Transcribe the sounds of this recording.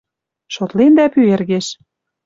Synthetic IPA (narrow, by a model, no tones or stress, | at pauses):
ʃot̪lend̪æpyerɣeʃ